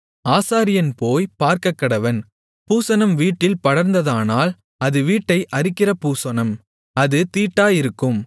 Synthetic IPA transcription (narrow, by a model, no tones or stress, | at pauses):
aːsaːɾɪjɐnpoːjpaːɾkɐkːɐɽɐʋɐn | puːsɐnɐmʋiːʈːɪlpɐɽɐɾnd̪ɐðaːnaːl | ɐðɯʋiːʈːɐɪʔɐɾɪkːɪrɐpuːsɐnɐm | ɐðɯt̪iːʈːaːjɪɾɯkːɯm